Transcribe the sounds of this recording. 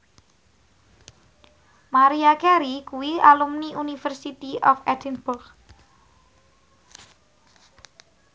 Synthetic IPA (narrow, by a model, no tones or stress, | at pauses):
maɾiakɛɾikuwialumniʔunifɛrsit̪iʔɔfɛdɛnbʊrɡ